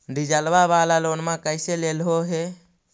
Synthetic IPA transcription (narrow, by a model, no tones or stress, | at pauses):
ɖid͡ʒəlʋabalalonmãkəjselelɦoɦe